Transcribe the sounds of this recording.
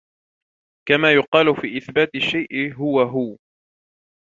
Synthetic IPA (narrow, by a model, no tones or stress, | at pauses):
kamaːjʊqɑːlʊfiːʔɪθbaːt̪ɪʃːajʔɪɦʊwaɦʊ